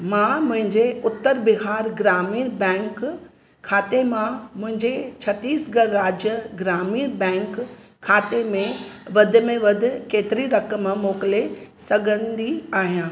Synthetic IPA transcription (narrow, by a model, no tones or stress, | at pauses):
mãmʊ̃ɦɪ̃ɲd͡ʑeʊt̪ːəɾbɪɦaːɾɡɾaːmiːɾbɛ̃ːŋk | kʰːaːt̪emãmʊ̃ɦɪ̃ɲd͡ʑet͡ɕʰɐt̪iːsɡɐɾːaːd͡ʑjəɡɾaːmiːɾbɛ̃ːŋkʰː | aːt̪emẽʋɐd̪ʱɪ̆mẽʋɐd̪ʱʊ̆keːt̪ɪɾiɾɐkəmmoːkɪlesɐɡʱə̃nd̪iaːɦijãː